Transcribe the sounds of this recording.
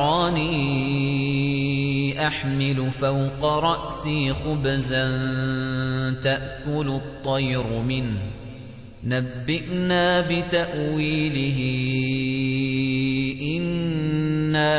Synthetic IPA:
ɑːniː | ʔaħmɪlʊfawqɑɾˤɑʔsiːxʊbzan | t̪aʔkʊlʊt̪ˤːɑjɾmɪnh | nabːɪʔnaːbɪt̪aʔwiːlɪɦɪ | ʔɪnː | aː

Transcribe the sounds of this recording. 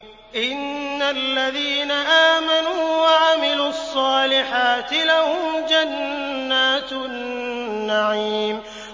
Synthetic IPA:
ʔɪnːalːaðiːnaʔaːmanuːwaʕamɪluːɑsˤːɑːlɪħaːt̪ɪlahʊmd͡ʒanːaːt̪ | aʕiːm

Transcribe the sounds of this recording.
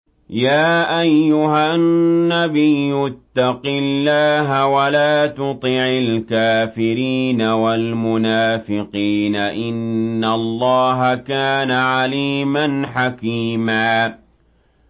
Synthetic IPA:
jaːʔajːʊɦaː | abɪjːʊt̪ːɑqɪlːaːɦawalaːt̪ʊt̪ˤɪʕalkaːfɪɾiːnawalmʊnaːfɪqiːnaʔɪnːalˤːɑːɦakaːnaʕaliːmanħakiːmaː

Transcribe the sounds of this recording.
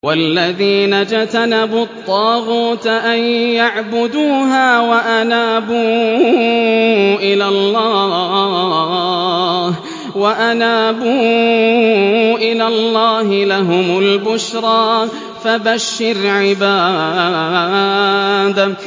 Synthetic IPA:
walːaðiːnad͡ʒat̪anabʊt̪ˤːɑːɣuːt̪ʔanjaʕbʊd̪uːɦaːwaʔanaːbuː | ʔɪlalˤːɑː | h | waʔanaːbuː | ʔɪlaːlːɑːɦɪlaɦʊmʊlbʊʃɾˤɑː | fabaʃːɪɾʕɪbaː | d̪

